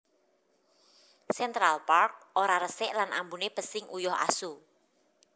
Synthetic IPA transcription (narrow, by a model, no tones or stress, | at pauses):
sɛnt̪ɾalpark̚oɾaɾəsɛʔlanʔa̰mbunepəsɪŋʔujɔha̰su